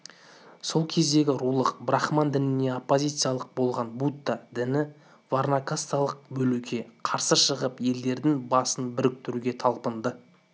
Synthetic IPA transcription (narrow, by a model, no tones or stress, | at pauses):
so̞lˠkʲʰe̞zd̪e̞ɡʲɪɾulˠəqbɾɑχmand̪ɪnɪne̞opːo̞zʲijt̪sɨjalˠəq̚bo̞lˠʁɑnbut̪ːad̪ɪnɪ | varnakast̪alˠəq̚bɵlukʲe̞qʰɑɾsəʃəʁəpje̞ld̪e̞ɾd̪ɪŋbɑsənbɪɾɪk̚t̪ʏɾuɡʲe̞t̪ʰɑlˠpənd̪ə